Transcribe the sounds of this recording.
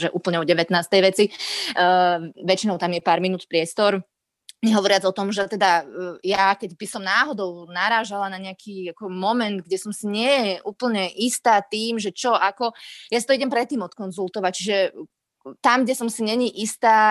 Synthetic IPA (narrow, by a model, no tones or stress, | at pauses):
ʒɛʔuːpl̩ɲɛɔɟɛʋɛt̪naːst̪ɛjʋɛt͡si | ʋɛt͡ʃinɔʊt̪amjɛpaːɾminuːt̪pɾɪɛst̪ɔɾ | ɲɛɦɔʋɔɾɪad͡zɔt̪ɔmʒɛt̪ɛd̪ajakɛɟbisɔmnaːɦɔd̪ɔʊnaɾaːʒalanaɲɛakʰiːakɔmɔmɛnd̪ɡɟɛsɔmsiɲɪɛjɛʔuːpl̩ɲɛʔist̪aːt̪iːmʒɛt͡ʃɔʔakɔjasi̥t̪ɔiɟɛmpɾɛt̪ːiːmɔt̪kɔnzult̪ɔʋac̚t͡ʃiʒɛ | t̪amɡɟɛsɔmsiɲɛɲiʔist̪aː